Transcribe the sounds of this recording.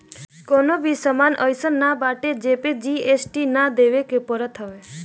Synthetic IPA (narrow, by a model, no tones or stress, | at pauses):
kɔnobisəmanʔəjsənːabaʈed͡ʒeped͡ʒiesʈinad̪eʋekepəɾət̪ʰəʋe